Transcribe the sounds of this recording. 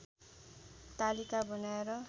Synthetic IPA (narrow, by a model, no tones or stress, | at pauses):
t̪alikabʌnaeɾʌ